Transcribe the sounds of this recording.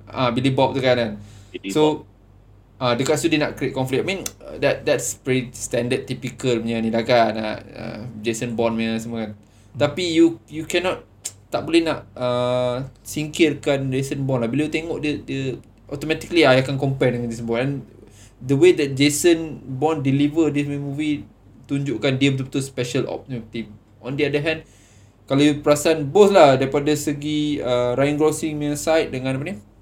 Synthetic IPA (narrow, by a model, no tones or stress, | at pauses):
abilibɔp̚dəkananso | ʔadəkasudinaʔ̚kɾiet̚kɔ̃nflik̚amĩndɛt̚dɛtsvɛɾistɛ̃ndəd̚t̪ːipikəlmiɲənĩlakanaʔa̰d͡ʒesənbɔnmĩɲəsəməkan | t̪apijujukɛnɔt̪̚ | t̪aʔ̚bolɛhnaʔə | siŋkirkanɹesənbɔnlahbilojut̪eŋɔʔdədiə | ʔɔt̪omɛ̃t̪ikliajakankɔmpajdəŋand͡ʒisəbɔnɛ̃n | dəwedɛt̪̚d͡ʒesənbɔndilivədismĩmũvi | t̪uɲd͡ʒuʔkandiəmt̪̬upət̪uspɛʃəlɔ̰p̚nut̪im | ɔ̃ndəadəɦɛ̃nd | kalajupəɾasaanboθlahdaipadasəɡiəɾajəŋɡɾosiŋm̃sajt̪̚dəŋãnapaniə